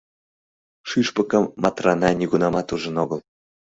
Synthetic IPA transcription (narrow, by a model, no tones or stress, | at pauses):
ʃyʃpə̆kə̆mːɑt̪rɑnɑnʲiɣunɑmɑt̪uʒə̆noɣəlˠ